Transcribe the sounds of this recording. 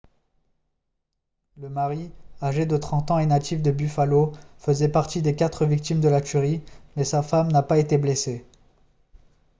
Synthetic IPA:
ləmaʁiaʒed̪ət̪χɑ̃t̪ɑ̃ɛnat̪ʰifd̪əbyfalofəzɛpaʁt̪id̪ekat̪χəvik̚t̪imd̪əlat̪yʁimɛsafamnapaet̪eblese

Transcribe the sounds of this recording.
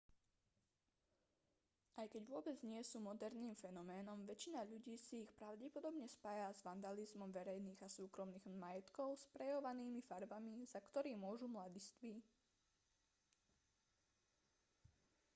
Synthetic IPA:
ʔajkɛɟʋʊɔbɛd͡zɲɪɛsuːmɔd̪ɛɾniːmfɛnɔmɛːnɔmʋɛt͡ʃinaʎuɟiːsiːxpɾaʊɟɛpɔd̪ɔbɲɛspajazʋand̪alizmɔmʋɛɾɛjniːɣasuːkɾɔmniːɣmajɛt̪kɔʊspɾɛjɔʋaniːmifaɾbamizakt̪ɔɾiːmʊɔʒumlad̪ist̪ʋi

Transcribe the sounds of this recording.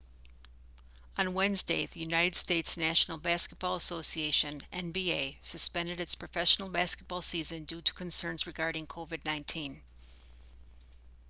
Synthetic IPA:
ə̃nwɛ̃nzdeɪðɨjʉnaɪɾɨd̥steɪtsnæʃn̩l̩ˠbæskət̚b̥ɔlˠəsoʊsieɪʃɨ̃nɛ̃nbieɪsɨspɛ̃ndɨɾɨtspʰɹ̥ɨfɛʃn̩l̩ˠbæskət̚b̥ɔlˠsizɨ̃ndʉɾə̥kʰɨ̃nsɜ̃˞nzɹɨɡɑɹɾɪ̃ŋkʰoʊvɨdⁿnãɪ̃ntʰĩn

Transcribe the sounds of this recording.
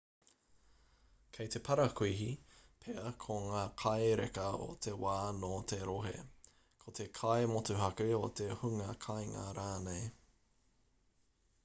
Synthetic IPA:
kʰejt̪e̞pʰɐɾɐkʰuiɦipʰeɐkʰoŋaːkʰɐeɾekɐo̰t̪ʰe̞waːnoːt̪ʰeɾoɦḛ | kʰot̪ekʰɐemotuhɐkʉot̪ehuŋɐkʰajŋɐ̰ɾaːnej

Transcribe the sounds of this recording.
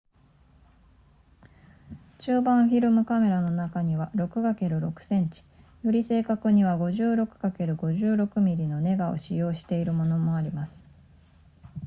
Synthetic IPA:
t͡ɕɨːbãɰ̃ɸʲiɾɯ̟mɯ̟kame̞ɾano̞nakaɲ̟iβaɾo̞kɯ̟ɡake̞ɾɯ̟ɾo̞kɯ̟̥sẽ̞ɲ̟t͡ɕi̥ | joɾʲise̞ːkakɯ̟ɲ̟iβaɡo̞ʑɨːɾo̞kɯ̟̥ɡake̞ɾɯ̟ɡo̞ʑɨːɾo̞kɯ̟mʲiɾʲino̞ne̞ɡao̞̰ɕijo̞ːɕi̥t̪e̞iɾɯ̟mo̞no̞mo̞aɾʲimasɨ̥

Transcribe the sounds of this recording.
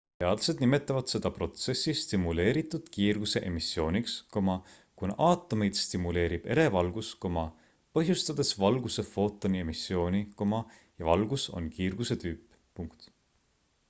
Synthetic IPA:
peɑd̪lɑse̞d̪nime̞t̪ːˑɑvɑd̪̥se̞d̪̥ɑpro̞t̪se̞sːist̪imule̞ːɾit̪ːˑud̪̥kiːrɡ̥use̞ʔemisːjo̞ːnʲikskomɑ | kunɑʔɑːt̪ːˑome̞jd̪̥st̪imule̞ːɾib̥e̞̰ɾe̞vɑlɡ̥usko̞mɑ | pɤɦjust̪ɑd̪̥e̞svɑlɡ̥use̞fo̞t̪ːˑo̞nie̞misːjo̞ːnʲiko̞mɑ | jɑvɑlɡ̥uso̞̰nkiːrɡ̥use̞t̪yːpː | uŋkt̪

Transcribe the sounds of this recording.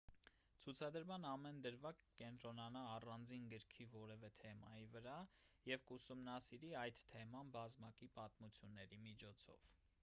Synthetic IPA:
t͡sʰut͡sʰɑd̪əɾmɑnɑmɛnd̪əɾvɑkəkɛnt̪ɾɔnɑnɑːrɑnd͡zinɡəɾkʰivɔɾɛvɛt̪ʰɛmɑ̰jivəɾɑjɛvkusumnɑsiɾiɑjd̪t̪ʰɛmɑnbɑzmɑkipɑt̪mut͡sʰjunːɛɾimit͡ʃʰɔt͡sʰɔ̰v̥

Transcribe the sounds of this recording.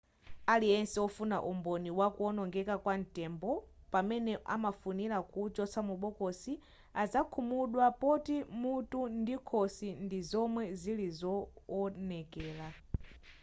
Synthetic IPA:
aliɛnsɛɔfunaʔumbɔniwakuɔnɔŋɡɛkakwan̩tɛmbɔ | pamɛnɛʔa̰mafunilakud͡ʒɔsamuɓɔkɔsi | azakʰumuɗwapɔtimutundikʰɔsindizɔmwɛzilizɔːnɛkɛːla

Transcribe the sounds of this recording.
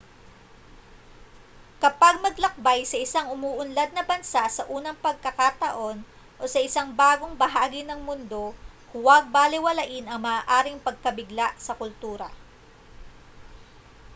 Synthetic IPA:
kɐpaɡ̚mɐɡlɐk̚bajsɐʔɪsaŋʔʊmuːʔʊnlɐd̪̚nɐbɐnsasɐʔuːnɐŋpɐɡ̚kɐkat̪ɐʔo̞n | ʔo̞sɐʔɪsaŋbaːɡo̞ŋbɐɦaːɡɪnɐŋmʊnd̪o̞hʊwɐɡ̚baːlɪwɐlaʔɪnɐŋmɐaːʔaːɾɪŋpɐɡ̚kɐbɪɡlaʔsɐkʊlt̪uːɾɐ

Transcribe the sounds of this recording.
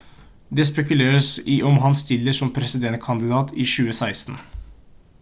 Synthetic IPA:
d̪ɛːspɛkʉleːɾəsɪʔɔmɦɑnst̪ɪlːəʂɔmpʰɾɛsɪd̪ɛnt̪̚kʰɑnd̪ɪd̪ɑːt̪iʃʉːəsæɪst̪n̩

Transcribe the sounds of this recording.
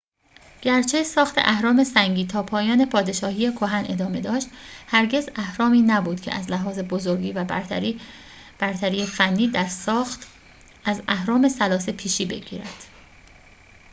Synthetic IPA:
ɟ̥æɾt͡ʃʰe̞sɒːxt̪ʰe̞̰ʔæhɾɒːme̞sæŋɟiːt̪ʰɒːpʰɒːjɒːne̞pʰɒːd̪e̞ʃɒːhiːjekʰo̞ɦænʔe̞d̪ɒːme̞d̪ɒːʃt̪hæɾɟe̞zæhɾɒːmiːnæbuːd̪̥cʰeʔæ̰zlæɦɒːze̞bozoɾɡiːvæ | b̥æɾt̪ʰæɾiːjefænːiːd̪æɾt̪ | ʔæzæhɾɒːme̞sælɒːse̞pʰiːʃiːbe̞̰ɟḭːɾæd̪̥

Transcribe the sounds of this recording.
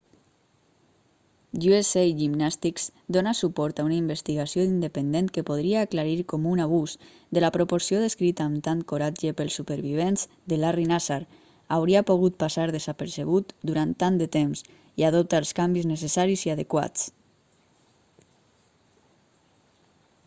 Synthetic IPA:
ʎuesejʒimnast̪ikz̥d̪onasupɔɾt̪aunaimbəst̪iɣasioind̪əpənd̪ent̪kəpoð̞ɾiaːklaɾiɾkɔmunaβ̞us | d̪əlapɾopoɾsioðəskɾit̪aːmt̪ankoɾad͡ʒəpəlˠsːupəɾβiβ̞enz | d̪əlarinasaɾ | awɾiapoɣ̞ut̪̚pasaɾðəzapəɾsəβ̞ut̪d̪uɾant̪ːand̪ət̪emz | iaðop̚t̪aːlˠskambiznəsəsaɾiziaðəkwa̰t͡s

